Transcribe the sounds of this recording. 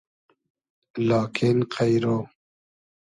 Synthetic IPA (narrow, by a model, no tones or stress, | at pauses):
lɑːkʰenqʰajɾoː